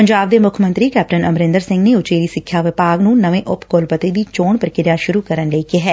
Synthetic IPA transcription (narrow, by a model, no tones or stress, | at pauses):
pəɲd͡ʒaːbd̪eːmʊkʰəmə̃nt̪ɾiːkɛːp̚ʈənəmɾɪ̃nd̪əɾsɪ̃ŋɡneːʊt͡ʃeːɾiːsɪkʰːjaːʋɪpaːɡnũːnəʋẽːʔʊpkoːlpət̪id̪iːt͡ʃoːɳpəɾkɪɾjaʃʊɾukəɾənləikiɦɛː